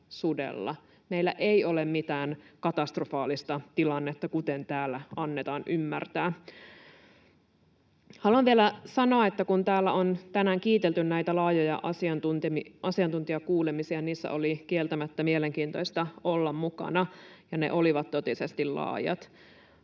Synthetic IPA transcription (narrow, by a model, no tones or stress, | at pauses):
sudḛlːɑ̰ | meilːæʔeio̞lemmit̪æːnkɑt̪ɑst̪rofɑːlist̪ɑt̪ilɑnːet̪ːɑkut̪ent̪æːlːæɑnːet̪ɑːnʔymːært̪æː | hɑluɑnʋielæsɑnoɑet̪ːækunt̪æːlːæont̪ænæːŋkiːt̪elt̪ynnæijt̪ælɑːjojɑ̰ʔɑsiɑnt̪unt̪imiʔɑsiɑnt̪unt̪iɑkuːlemisiɑniːsːæ̰ʔolikielt̪æmæt̪ːæmieleŋkiːnt̪o̞jst̪ɑolːɑmmukɑ̰nɑjɑnḛʔoliʋɑt̪t̪ot̪isest̪illɑ̰ːjɑ̰t̪